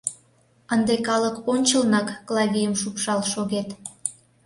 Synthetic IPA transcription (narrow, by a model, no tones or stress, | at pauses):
ənd̪ekɑləkonʲt͡ɕəlnɑkːlɑvʲijəmʃupʃɑlʃoɣet̪